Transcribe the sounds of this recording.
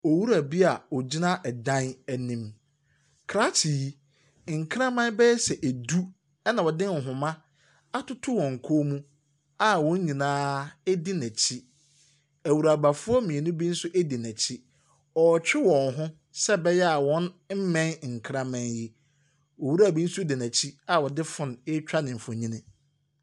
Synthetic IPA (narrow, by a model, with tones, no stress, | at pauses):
ɔ˨wu˦ɾæ˨bi˦a˨ɔ˨d͡ʑi˦nã˦ʔɛ˨dã˦næ˨nĩ˦m | kʰɾa˦t͡ɕʰi˨ji˦ | ŋ̩˨kʰɾã˦mã˦n˦bɛ˦ɛ˦sɛ˨ʔæ˨du˦ | ɛ˦nã˨wɔ˨dɪ̃˦n˨ɦʊ̃˨mã˦ | a˦tʊ˦tʰʊ˦wɔ̃˨ŋ̩˨kʰoː˦mũ˦ | a˦wɔ̃˦n̩˦ɲĩ˨nãː˦ɛ˦dɪ˦næ̃˨t͡ɕʰi˦ | æ˨wu˨ɾa˨ba˨fʊ˦ɔ˦mĩ˨e˨nʊ̃˦bi˦n̩˦sʊ˦ʔe˦di˨næ˨t͡ɕʰi˦ | ɔ˨t͡ɕᶣɪ˦wɔ̃˨nɦʊ̃˦ | sɛ˦bɛ˦jɛ˦a˨wɔ̃˦nm̩˦mɛ̃˦n˨ŋ̩˨kʰɾã˦mã˦njɪ˦ | wɔ˨wu˦ɾa˦˨bi˦n̩˦sʊ˦dɪ˨næ˨t͡ɕʰi˦a˦˨wɔ˨dɪ˦fʊ̃˦˨n˨ɪ˦t͡ɕᶣa˦nɪ̃˨m̩˨fʊ̃˨ɲĩ˦nɪ̃˦